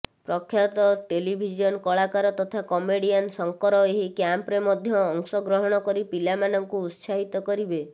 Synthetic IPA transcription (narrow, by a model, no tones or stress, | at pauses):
pɾɔkʰːjat̪ɔʈelibʱid͡ʒiɔnkɔɭakaɾɔt̪ɔt̪ʰakɔmeɽiansɔŋkɔɾɔeɦikjampɾemɔd̪ʱjɔːŋsɔɡɾɔɦɔɽ̃ɔkɔɾipilamanɔŋkuːt̪saɦit̪ɔkɔɾibe